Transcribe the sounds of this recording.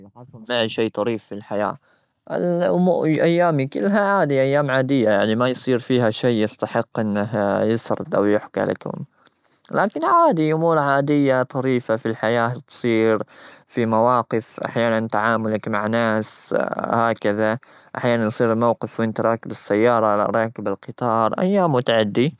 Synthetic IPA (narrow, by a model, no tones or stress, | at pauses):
jħɑðˤʊlmaʕʃiːt̪ˤɑɾiːfːilħaja̰ː | ʔɪ̰lʔʊmuʔajːaːmikɪlːɦaʕaːd̪iʔajːaːmʕaːd̪ɪjːajaʕnimajsˤiːɾfiːɦaʃajːɪst̪aħɪqːʔɪnːaɦjɪsɑɾˤd̪ʔa̰wjʊħkia̰lɪ̰khʊ̰m | laːkɪnʕaːd̪iʔʊmuːɾʕaːd̪ɪjːat̪ˤɑɾiːfafilħajaːt̪sˤiːɾfimawɑːqɪfʔa̰ħjaːnant̪aʕaːmʊlakmaʕnaːshaːkaða | ʔaħjaːnanjsˤiːɾmawqɪfwɪnt̪ɾˤɑːkɪbɪsːajːɑːɾˤɑ̰ɾˤɑːkɪbɪlqɨt̪ˤɑːɾˤʔa̰jːaːmːʊt̪aʕad̪ːi